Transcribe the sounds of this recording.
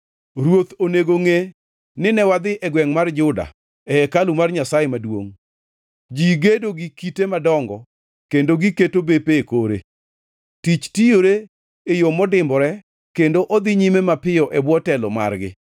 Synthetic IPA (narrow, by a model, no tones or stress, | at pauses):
ɾwot̪oneɡoŋe | nɪnɛwad̪ɪʔɛɡwɛŋmard͡ʒʊda̰ | ɛɛkalumarɲasajemadwo̰ŋ | d͡ʒiɡedoɡikitemadɔŋɡɔ̰ | kendoɡiketobepeːkoɾḛ | tit͡ʃtijoɾe | ejomɔdɪmbɔɾɛ | kendoʔod̪ɪɲimemapɪjɔʔɛbwɔtɛlɔma̰rɡɪ̰